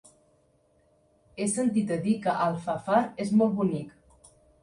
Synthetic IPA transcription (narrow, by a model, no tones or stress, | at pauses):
esənt̪it̪əðikəʔalˠfafaɾezmɔlˠt̪bunik